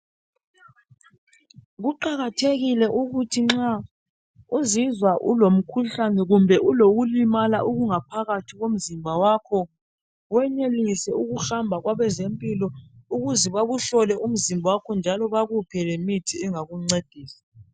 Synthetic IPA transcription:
ɣuǃaɣatʰeɣilɛʔuɣutʰiŋ͡ǁa | uzizwaʔṵlom̩kʰuɬanɛɣumbʱɛʔuloɣulimalaʔuɣuŋapʰaɣatʰiɣom̩zimbʱawakʰɔ | wɛnelisɛuɣuxambʱaɣwaβɛzempʼilɔuɣuzɛβaɣuɬɔlɛʔum̩zimbʱawakʰɔnd͡ʒʱalɔβaɣupʰɛlemitʰiɛŋaɣuŋ͡ǀed̥ʱiːsḁ

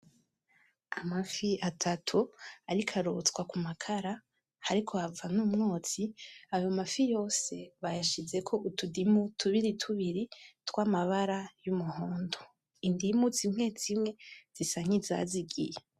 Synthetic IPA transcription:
amafiatʰatʰuaɾikʰaɾot͡skwakumakʰaɾa | haɾikʰo̞avanuːmŋoːt͡siajo̞mafijo̞ːse̞βajaʃize̞kʰo̞ʔutudimutʰuβiɾitʰuβiɾitwaːmaβaɾajumuhoːndo | indimut͡sim̥ŋe̞t͡simŋe̞z̥isaŋ̥iza̰ziɡije

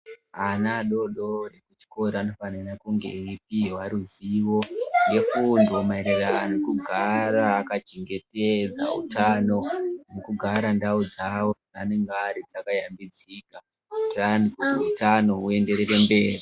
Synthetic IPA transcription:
anaɗo̞ɗo̞rekut͡ʃi̥ko̞ɾiano̞fanirakuŋɡḛip̚iɦwaɾuziʋo̞ne̞fundomaeɾera̰ːnekuɡʱaɾaːkat͡ʃeŋɡe̞ted͡za̰ṵtano̞nekuɡʱaɾandaud͡zawo̞ | ane̞ŋɡaɾid͡zakajambid͡zika | ranikuiutano̞ue̞nde̞rerembe̞ːri

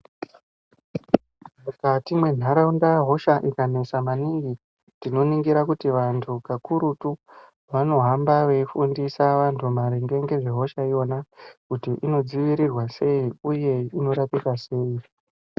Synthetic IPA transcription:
mukatimwe̞n̤aɾaundaɦo̞ʃaʔikane̞samaniŋɡi | tino̞niŋɡiɾakutiʋantʰukakuɾutu | ʋano̞ɦambaʋe̞ifundisaʋantʰumaɾeŋɡe̞ŋɡe̞ʐe̞ɦo̞ʃaio̞nakutiʔino̞d͡ziʋiɾirwase̞iuje̞ino̞ɾapikase̞ːi

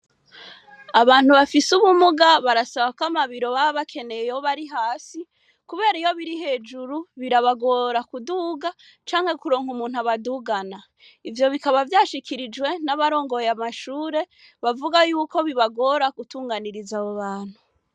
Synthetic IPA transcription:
aβaːn̥huβafisuβumuɡaβaɾasaβakwamaβiɾo̞βaβakʰe̞ne̞jejoβaɾiɦaːsi | kuβe̞ːɾaijo̞βiɾiɦe̞ːd͡ʒuɾuβiɾaβaɡo̞ɾakuduːɡa | t͡ʃaːŋ̥he̞kuɾo̞ːŋumuːn̥uaβaduːɡana | ivjo̞βikaβavjaːʃikʰiɾid͡ʒɡwe̞naβaɾo̞ːŋɡo̞jamaʃuːɾe̞ | βavuɡajuːko̞βiβaɡo̞ɾaɡutuːŋɡaniɾizaβoβaːn̥hu

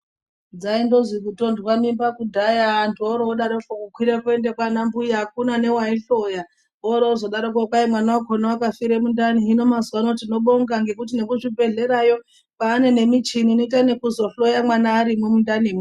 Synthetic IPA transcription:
d͡zaindo̞zikuto̞ndwamimbakudʱajaːntuoɾooɗaɾokokukwiɾepoende̞kwanambujak̚unane̞waiɬo̞ja | oɾoozo̞ɗaɾok̬okwaimwanawakonawakafiɾemundaniino̞mazwano̞t̬ino̞ɓoŋɡaŋɡe̞kut̬ine̞kuʐibʱe̞ɮe̞ɾajo̞ | paːne̞ne̞mit͡ʃininoitane̞kuzo̞ɬo̞jamwanaːɾimomundanimu

